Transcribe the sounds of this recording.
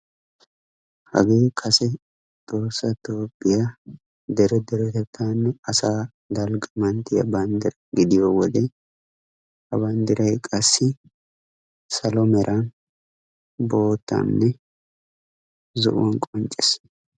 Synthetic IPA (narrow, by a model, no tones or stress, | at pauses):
hɐ̰ɡeːkʰɐsɛ | t̪oːsːɐt̪oːpʼːɪja | d̪ɛɾɛd̪ɛɾɛt̪ɛt̪ʰːanːɛɐsaː | d̪ɐlɡʼɐmɐnt̪ːɪjɐ̰bɐnd̪ɪɾɐɡɪd̪ɪjɔwɔd̪ɛ | hɐbɐnd̪ɪɾɐjkʼɐsːɪ | sɐlɔmɛɾʔɐn | bo̞ːt̪ːɐ̰nːɛ | zɔ̰ʔʊwɔnkʼɔnt͡ʃʼːɛs